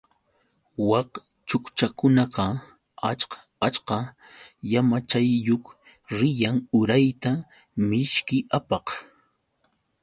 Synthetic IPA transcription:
wɑq | t͡ʃʊkt͡ʃakʊnɑqɑ | at͡ʃqɑ̥ | at͡ʃqɑ | jamat͡ʃajːok | ɾɪjaŋʊɾajt̪a | mɪʃkɪʔapɑq

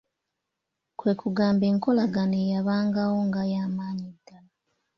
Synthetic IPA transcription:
kwe̞ːkuɡaːmbeːŋko̞laɡanejaβaːŋɡawo̞ŋɡajaːmaːɲid̥ːala

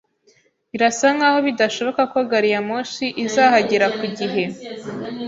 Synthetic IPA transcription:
βiɾasaŋɡaho̞βidaʃo̞βo̞kako̞ɡaɾijamoʃiʔizaːhaɟeɾakuɟiɦe̞

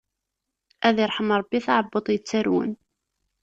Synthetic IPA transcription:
ʔæðiɾˤħəmɾˤɑbːiθaʕəbːət̪ˤjət͡sːæɾwə̰n

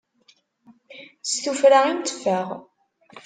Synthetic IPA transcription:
sθufɾaimt̪ːə̥fæʁ

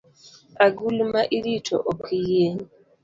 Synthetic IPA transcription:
aɡulmaʔiɾitʰɔ̰ʔokʰijeɲi

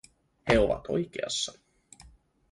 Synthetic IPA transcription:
heoʋɑ̰t̪o̰jk̟ḛɑ̰sːɑ

